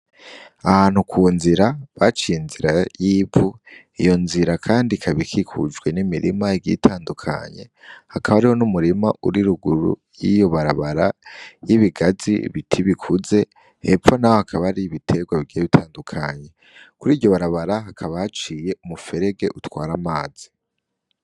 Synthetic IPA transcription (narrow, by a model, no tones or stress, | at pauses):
ahaːn̥hukʰuːnziɾaβat͡ʃiinziɾajibu | ijo̞nziɾakʰaːndikʰaβikʰikʰṵd͡ʒɡwe̞nimiɾḭmaiɡḭtʰaːndukʰa̰ɲe̞̰hakaβaɾiho̞numuɾimauɾiɾuɡuɾṵ | jijo̞βaɾaβaɾajiβiɡazḭβitʰiβikʰuze̞ | hefo̞nahohakʰaβaɾiβitʰe̞ɡwaβiɡijeβitʰaːndukʰa̰ɲe̞ | kuɾiːɾɟjo̞βaɾaβaɾaɦakʰaβahat͡ʃiːje̞umufe̞ɾe̞ɡe̞ʔutwaːɾamaːz̥i